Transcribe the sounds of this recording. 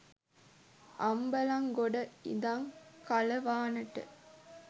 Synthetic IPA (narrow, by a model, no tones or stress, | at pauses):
ʔɐmbɐlɐŋɡoɖɐḭd̪ɐŋkɐlɐʋaːnɐʈːɯ̰